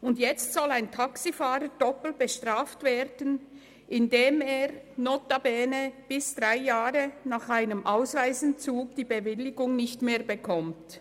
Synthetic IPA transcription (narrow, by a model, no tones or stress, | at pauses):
ʊndjɛt͡stsɔlaɪntʰaksifaːɾəd̥ɔpl̩tb̥əʃtʁaːftv̥eːɾdən | ʔɪndeːmeːʁnoːtabɛːnəb̥ɪsd̥ʁaɪjaːɾənaːχaɪnəmʔaʊsvaɪzn̩t͡suːɡd̥iːbəvɪlɪɡʊŋnɪçtmeːɾbəkʰɔmt